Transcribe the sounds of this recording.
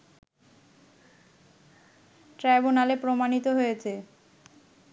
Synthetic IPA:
ʈɾɛbunalepɾomanit̪oɦojet͡ɕʰe

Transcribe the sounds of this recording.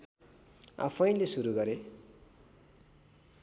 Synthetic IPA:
a̰pʰʌj̃lesuɾuɡʌɾe

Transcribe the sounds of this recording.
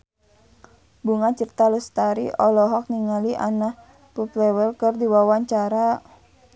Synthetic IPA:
buŋat͡ʃirt̪alust̪aɾḭʔɔlɔɦɔk̚niŋaliʔa̰nah | puplɛwəlkɨrdiwawaɲt͡ʃaɾa

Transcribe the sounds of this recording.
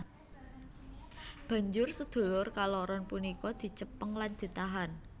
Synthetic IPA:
b̥ä̤ɲd͡ʒʊrsəd̪̥o̤lʊrkalɔɾɔnpunikɔd̪̥i̤t͡ʃəpəŋland̪̥i̤t̪aɦan

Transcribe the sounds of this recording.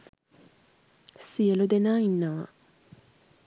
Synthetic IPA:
sielod̪enainːa

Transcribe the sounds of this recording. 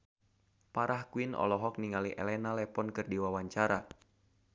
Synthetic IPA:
paɾʔahkuinɔ̰lɔɦɔk̚niŋaliʔɛ̰lɛnalɛpɔnkɨrdiwawaɲt͡ʃaɾa

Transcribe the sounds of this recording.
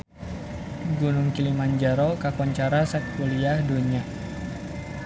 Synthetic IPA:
ɡunʊŋkilimaɲd͡ʒaɾokakɔɲt͡ʃaɾasak̚puliahduɲia

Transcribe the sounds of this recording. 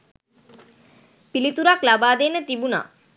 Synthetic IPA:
pilit̪uɾaklabaːd̪enət̪ibuna̰ː

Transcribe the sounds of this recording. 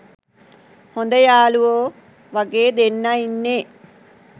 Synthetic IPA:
hond̪ɐjaːluoː | ʋɐɡeːd̪enːɐinːe

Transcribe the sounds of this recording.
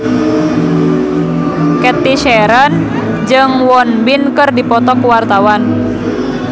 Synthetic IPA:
kɛt̪iʃɛɾən | d͡ʒɨŋwɔnbinkɨrdipɔt̪ɔkuwart̪awan

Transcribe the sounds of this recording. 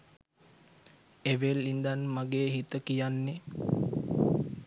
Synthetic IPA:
eʋelːind̪anmaɡeːɦit̪əkijanːe

